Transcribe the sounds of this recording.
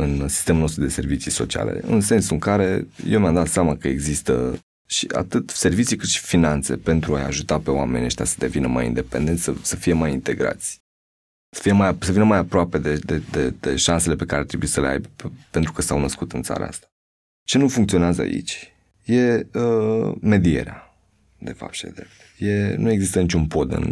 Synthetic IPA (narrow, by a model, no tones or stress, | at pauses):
ɨnsi̥st̪e̞muno̞s̬t̪ɾud̪e̞se̞rvit͡ʃiso̞̰t͡ʃia̰le̞̰ɨ̰nse̞nsuɨŋkaɾe̞jewmʲjamd̪at̪seamakəe̞ɡzist̪ə̰ | ʃia̰t̪ɨt̪se̞rvit͡ʃikɨt̪ʃi̥finant̪se̞̰pe̞nt̪ɾuaja̰ʒut̪ape̞oame̞nʲa̰ʃt̪ʲasə̥d̪e̞vinəma̰jḭnd̪e̞pe̞̰nd̪ent̪ʲsəsəfije̞majint̪e̞ɡɾa̰t̪sʲ | sə̥fije̞majasəvinəmajapɾoape̞d̪ed̪ed̪ed̪̥ḛʃanselepe̞kaɾeaɾt̪ɾebuisəlea̰jbepe̞nt̪ɾukəsawnəskut̪ɨnt̪sa̰ɾa̰a̰st̪ḁ | t͡ʃe̞nufuŋkt̪sio̞neazəa̰ḭt͡ʃʲ | je̞əme̞d̪ie̞̰ɾea | d̪e̞fa̰p̚t̪ʃid̪ed̪ɾḛp̚t̪je̞nue̞ɡzist̪ənit͡ʃunpo̞d̪ɨ̰n